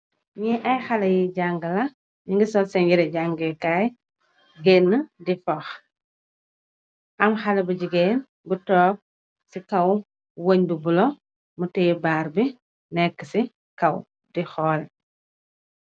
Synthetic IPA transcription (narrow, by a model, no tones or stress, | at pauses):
ɲiʔɐjxɐlɐjiɟaŋɡəlɐ | ɲiŋɡisɔlsɛɲjiɾɛɟaŋɡkaːj | ɡeːnːədifɔx | ʔɐmxɐlɐbuɟiɡeːn | butɔːb̚ | sikɐw | woɲbubulɔ | mutɛjibaːɾbi | nɛkːəsi | kɐw | dixɔːl